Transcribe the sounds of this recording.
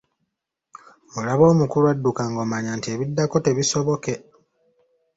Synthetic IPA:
olaβo̞ːmukuluadːukaŋɡomaɲantie̞βidːako̞te̞βiso̞βo̞ke̞

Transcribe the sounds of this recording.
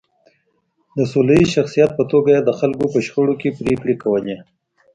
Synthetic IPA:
d̪əsolaiʃaxsijat̪̚pət̪oɡaed̪əxalkopəʃxəɽokepɾekɽekawəle

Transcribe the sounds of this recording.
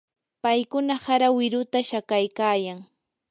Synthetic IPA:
pajkʊnahaɾawɪɾʊt̪aʃakajkaːjaŋ

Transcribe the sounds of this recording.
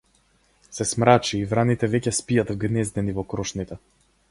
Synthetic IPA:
sɛsmɾat͡ʃiːvɾanit̪ɛvɛcɛspijat̪vɡnɛzd̪ɛnivɔkɾɔʃnit̪ɛ

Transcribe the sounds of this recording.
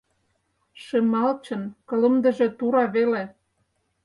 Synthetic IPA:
ʃemɑlt͡ɕə̆nkɤ̆lə̆md̪ə̆ʒĕt̪uɾɑβele

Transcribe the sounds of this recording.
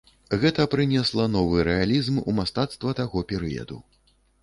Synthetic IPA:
ɣɛt̪ɐpɾɨnʲɛslˠɐnɔvɨɾɛalʲizmṵmast̪at̪st̪vɐt̪aɣɔpʲɛɾɨ̰jɐ̰d̪ṵ

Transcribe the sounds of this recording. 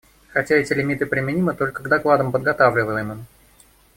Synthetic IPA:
xɐtʲaɛtʲɪlʲɪmʲit̪ɨpɾʲɪmʲɪnʲimət̪o̞lʲkəɡd̪ɐklˠad̪əmpəd̪̚ɡɐt̪avlʲɪvəlˠəjmon

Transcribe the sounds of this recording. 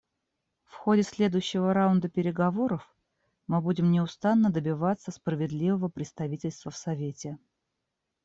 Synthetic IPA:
fxodʲɪsʲlʲe̞d̪ʊjʉɕːɪvəɾaʊnd̪əpʲɪɾʲɪɡɐvo̞ɾəf | mɨbudʲɪmnʲɪʊst̪anːəd̪əbʲɪvat̪sːəspɾəvʲɪd̪lʲivəvəpɾʲɪt̪st̪ɐvʲitʲɪlʲst̪vəfsɐvʲetʲɪ

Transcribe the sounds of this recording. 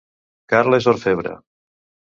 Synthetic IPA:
kaɾlezoɾfeβɾa̰

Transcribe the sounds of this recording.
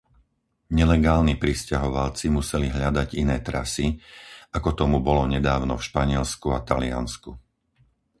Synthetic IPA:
ɲɛlɛɡaːlnipɾiscaɦɔʋalt͡simusɛliɦʎad̪aɟinɛːt̪ɾasiakɔt̪ɔmubɔlɔɲɛd̪aːʊnɔfʃpaɲɪɛlskuat̪alia̰nsku

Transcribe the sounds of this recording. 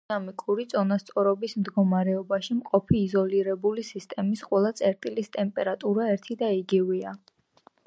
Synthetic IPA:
amikʼuɾit̪sʼɔnast̪sʼɔɾɔbismd̪ɡɔmaɾɛɔbaʃimqʼɔpʰiːzɔliɾɛbulisist̪ʼɛmisqʼwɛlˠat̪sʼɛɾt̪ʼilist̪ʼɛmpʼɛɾat̪ʼuɾaɛɾt̪ʰid̪aiɡivia

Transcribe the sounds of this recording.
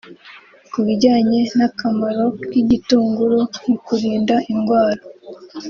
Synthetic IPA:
kuβiɟaːɲe̞nakamaɾo̞kiɟituːŋɡuɾomukuɾiːndaiŋɡwaːɾa

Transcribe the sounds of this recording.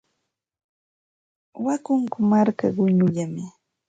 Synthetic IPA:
wakʊŋkʊmaɾkaɢʊɲʊʎamɪ

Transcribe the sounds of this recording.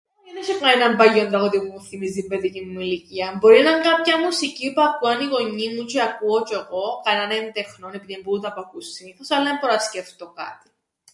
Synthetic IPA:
ineʃepɐnenɐmbɐjːo̞nd̪ɾɐɣot̪imuθimizimbeðicinmuiliciɐmbo̞ɾinɐŋkɐpçɐmusicipɐkuɐniɣo̞ɲːimut͡ʃeɐkuot͡ʃe̞ɣo̞kɐnɐnent̪e̞xnone̞piðimbuunt̪ɐpɐkussiniθosɐlːɐmpoɾɐsceft̪okɐ̰t̪i̥

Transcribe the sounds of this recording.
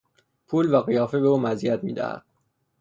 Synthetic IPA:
pʰuːlvæɣijɒːfe̞beuːmæziæt̪ʰmḭːd̪æ̰hæ̰d̪̥

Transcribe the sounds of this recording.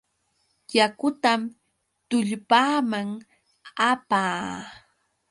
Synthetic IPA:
jakʊt̪am | t̪ʊʎpaːmaŋ | apaː

